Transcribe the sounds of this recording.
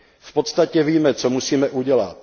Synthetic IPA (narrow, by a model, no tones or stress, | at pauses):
fpot̪st̪acɛviːmɛt͡somusiːmɛʔuɟɛla̰t̪̚